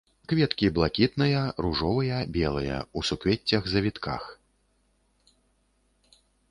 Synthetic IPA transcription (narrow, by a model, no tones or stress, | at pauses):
kvʲɛt̪kʲiblˠakʲit̪nɨjɐruʐɔvɐjɐbʲɛlˠɐjɐ̰usukvʲɛt͡sʲːɐɣzɐvʲit̪ka̰x